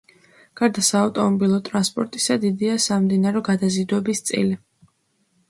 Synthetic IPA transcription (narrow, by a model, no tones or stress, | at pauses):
ɡ̥aɾd̪asaːvt̪ʼɔmɔbilˠɔt̪ʼɾanspʼɔɾt̪ʼisad̪id̪iasamd̪inaɾɛɡad̪azid̪wɛbist̪sʼḭli